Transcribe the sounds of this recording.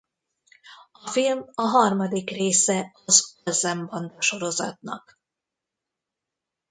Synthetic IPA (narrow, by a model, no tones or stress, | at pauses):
ɒfilmɒɦɒrmɒd̪ikreːsɛɒzolzɛmbɒnd̪ɒʃo̞ɾo̞zɒ̰t̪nɒ̰k